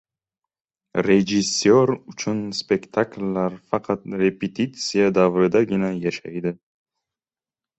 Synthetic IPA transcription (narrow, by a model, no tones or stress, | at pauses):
ɾed͡ʒisjoɾʊt͡ʃʰʊnspe̞kʲt̪ʰaklːaɾfɑqʰɑt̪ɾe̞pʰet̪ʰit̪sijad̪avɾɪd̪aɡʲɪnajaʃa̰jd̪ɪ